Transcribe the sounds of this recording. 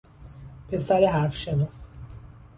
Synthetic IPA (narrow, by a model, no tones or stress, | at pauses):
pʰesæɾeɦæɾfʃenu